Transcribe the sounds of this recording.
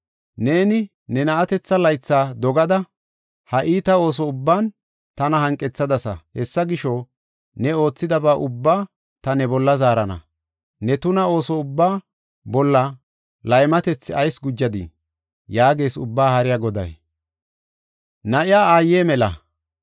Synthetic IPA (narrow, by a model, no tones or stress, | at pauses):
ne̞ːnɪ | nɛnɐʔɐt̪ɛt͡sːɐlɐjt͡sːaːd̪ɔɡɐd̪ɐ | hɐʔiːt̪ɐo̞ːs̬ɔʊbːaːn | t̪ɐnɐhɐŋkʼːɛt͡sːɐd̪ɐsɐ̰hɛsːɐɡɪʃɔ | nɛo̞ːt͡sːɪd̪ɐbaːʔʊbːaː | t̪ɐnɛbɔlːɐzaːɾɐnɐ̰ | nɛt̪ʊnɐo̞ːsɔʊbːaː | bɔlːɐ | lɐjmɐt̪ɛt͡sːɪɐjsɡʊd͡ʒːɐd̪ɪ̰ | jaːɡe̞ːsʊ̰bːaːhɐɾɪjaɡɔd̪ɐ̰j | nɐʔɪjaːaːjːeːmɛlɐ̰